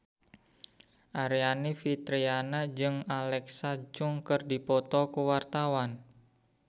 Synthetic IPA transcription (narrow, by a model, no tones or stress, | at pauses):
ʔaɾianifit̪ɾianad͡ʒɨŋalɛksad͡ʒʊŋkərdipɔt̪ɔkuwart̪awan